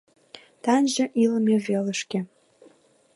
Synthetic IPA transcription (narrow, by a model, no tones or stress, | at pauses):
t̪ɑnʑə̆ʔilmevelə̆ʃkĕ